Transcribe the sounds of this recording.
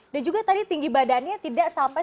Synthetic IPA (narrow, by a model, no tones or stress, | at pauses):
dand͡ʒuɡat̪adit̪iŋɡibadanɲat̪idaʔsampa